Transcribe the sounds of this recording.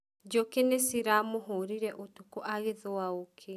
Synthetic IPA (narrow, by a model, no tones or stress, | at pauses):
d͡ʒokenesiɾamoɦoɾiɾɛʔotukoʔaɣeðowaokʰe